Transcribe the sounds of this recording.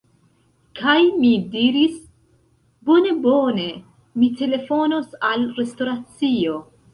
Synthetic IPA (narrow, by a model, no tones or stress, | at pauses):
kʰajmidiɾis | bo̞ne̞bone̞ | mite̞le̞fo̞nosalɾe̞sto̞ɾat͡sio̞